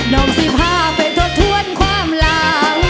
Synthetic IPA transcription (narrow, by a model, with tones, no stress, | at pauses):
nɔ˨˦msi˧˥pʰaː˧˩pa˨˩jt̪ʰo˦˥t̪ʰːu˧˥ə˨nkʰwaː˧˥˩mlaː˧˦w